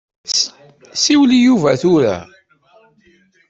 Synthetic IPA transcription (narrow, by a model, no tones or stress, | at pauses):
siwlijuvæθuɾæ̰